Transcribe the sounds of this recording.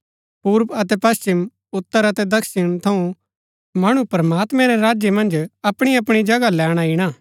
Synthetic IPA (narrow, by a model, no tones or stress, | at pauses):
puːɾpɐt̪̬ɛpɐst͡ʃɪm | ʊt̪ːəɾɐt̪ɛd̪ɐkʰʃɪɽ̃t̪ʰɐũ | mɐɽ̃ũpɾɐmaːt̪mɛ̃ɾɛɾaːd͡ʒjemɐ̃nd͡ʒɐpɽ̃iɐpɽ̃id͡ʒɐɡalɛːɽ̃aiɽ̃aː